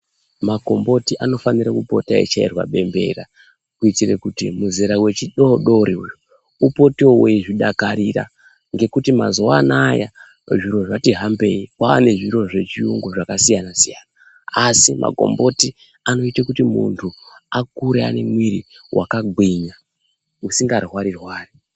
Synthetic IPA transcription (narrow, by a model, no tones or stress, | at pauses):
mako̞mbo̞tiʔano̞faniɾakupo̞̰taḭt͡ʃairwa̰ɓe̞mbe̞̰ra̰ | kuitire̞kutimuzeɾawe̞t͡ʃiɗoɗoɾiuju | upo̞tioweʐiɗakaɾira̰ | ŋɡe̞kutima̰zoanaːja̰ | ʐiɾo̞ʐatiɦambe̞ikaa̰ne̞ʐiɾo̞ʐe̞t͡ʃiuŋɡoʐakasijanasijanaː | simʔa̰ɡʱo̞̰mbo̞ti | ano̞itakutimṵntʰuakuɾea̰ne̞mwiɾḭ | wʔa̰kaɡʱwiɲa | usiŋɡarwaɾirwaːri